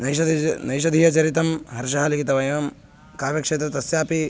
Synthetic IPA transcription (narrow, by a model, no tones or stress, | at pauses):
nɐjɐnɐjʃɐd̪ʱijɐt͡ʃɐɾit̪ɐmɦɐɾʃɐɦɐːlikit̪ɐʋɐjɐm | kaːʋjɐkʂeːt̪ɾɐt̪ɐsjaːpi